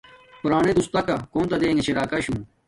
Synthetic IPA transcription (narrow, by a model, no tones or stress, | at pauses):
pʊɾaːnẽd̪ust̪aːkakoːnt̪ɐd̪eːŋet͡ɕʰiɾaːkaɕũː